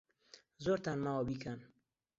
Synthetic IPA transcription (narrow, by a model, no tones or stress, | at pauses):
zoɾt̪anmawabikʰan